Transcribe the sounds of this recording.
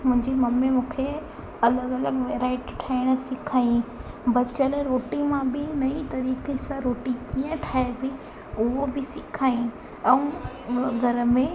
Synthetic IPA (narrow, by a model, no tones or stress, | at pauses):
mʊ̃ɦɪ̃ɲd͡ʑemɐmːẽmũːkʰe | ɐləɡɐləɡʋeːɾaːɪʈʈʰaːɪɽ̃ʊ̆sɪkʰaːjĩ | bɐt͡ɕəlɾoːʈimãbɪnɐit̪ɐɾiːkesãɾoːʈikiːə̃ʈʰaːebi | ʊɦobɪsɪkʰaːĩ | ɛ̃ũ | ɡʱɐɾmẽ